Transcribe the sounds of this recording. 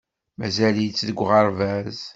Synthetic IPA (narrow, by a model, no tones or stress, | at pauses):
mæzæljit͡sːðəɡʷːʁəɾˤvæz